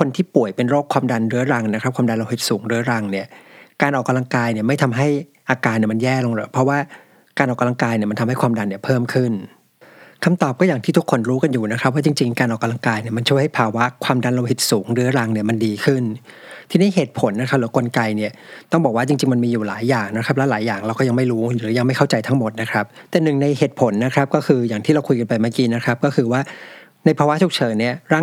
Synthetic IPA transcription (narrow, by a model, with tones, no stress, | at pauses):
kʰo˧nt̪ʰiː˥˩pu˨˩əjpe˧nɾoː˥˩kʰwaː˧mda˧nɾɯ˦˥ɐɾa˧ŋna˦˥kʰɾa˦˥p̚kʰwaː˧mda˧nla˧whi˨˩t̪̚suː˩˦ŋɾɯ˦˥ɐɾa˧ŋni˥˩ɐkaː˧nʔɔː˨˩kːa˧la˧ŋkaː˧jni˥˩ɐma˥˩jt̪ʰa˧mɦa˥˩jʔaː˧kaː˧nːi˥˩ma˧njɛː˥˩lo˧ŋlɤː˧˩jpʰɾɔ˦˥waː˥˩ | kaː˧nʔɔː˨˩kːa˧la˧ŋkaː˧jni˥˩ma˧nt̪ʰa˧mha˥˩kwaː˧mda˧nːi˥˩ɐpʰɤː˥˩mkʰɯ˥˩n | kʰa˧mt̪ɔː˨˩p̚kɔː˥˩jaː˨˩ŋt̪ʰiː˥˩t̪ʰkʰːo˧nɾuː˦˥ka˧njuː˨˩na˦˥kʰa˦p̚waː˥˩t͡ɕi˧ŋt͡ɕi˧ŋkaː˧nʔɔː˨˩kːa˧la˧ŋkaː˧jni˥˩ɐma˧nt͡ɕʰu˥˩əjha˥˩pʰaː˧wa˦˥kʰwaː˧mda˧nlo˧hi˨˩t̪̚suː˩˦ŋɾɯ˦˥ɐ˦ɾa˧ŋni˥˩ɐma˧ndiː˧kʰɯ˥˩nt̪ʰiː˧niː˥˩ɦeː˨˩t̪̚pʰo˨˦nː˦˥kʰa˦˥p̚lɯ˦ko˧nka˧jni˥˩ɐt̪ɔ˥˩ŋbɔː˨˩k̚waː˥˩t͡ɕi˧ŋt͡ɕi˧ŋma˧nmiː˧juː˨˩laː˩˦jːaː˨˩ŋna˦˥kʰɾa˦˥p̚lɛ˦˥laː˩˦jːaː˨˩ŋɾa˧wkɔː˥˩ja˧ŋma˥˩jɾuː˦˥ɯː˩˦ja˧ŋma˥˩jkʰa˥˩wt͡ɕa˧jt̪ʰa˦˥ŋmo˨˩t̪̚na˦˥kʰɾa˦˥p̚t̪ɛː˨˩nɯ˨˩ŋna˧jɦeː˨˩t̪̚pʰo˨˩˦nːa˦˥kʰɾa˦˥p̚kɔː˥˩kʰɯː˧jaː˨˩ŋt̪ʰiː˥˩ɾa˧wkʰu˧jka˧npa˧jmaː˥˩kiː˧na˦˥kʰɾa˦˥p̚kɔː˥˩kʰɯː˧waː˥˩ | na˧jpʰaː˧wa˥sʰu˨˩k̚t͡ɕʰɤː˨˦nni˥˩ɐɾaː˥˩